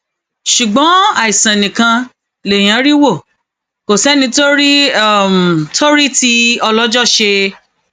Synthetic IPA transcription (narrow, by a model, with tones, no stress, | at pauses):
ʃu˨ɡ͡bɔ̃˨˦a˦˨i˨sã˨nĩ˨kã˧ | le˨j̃ã˨˦ɾi˦wo˦˨ | ko˨sɛ˨˦nĩ˧to˦ɾi˦˨m˨tʰo˦ɾi˦ti˦ɔ˧lɔ˦d͡ʒɔ˦˨ʃe˧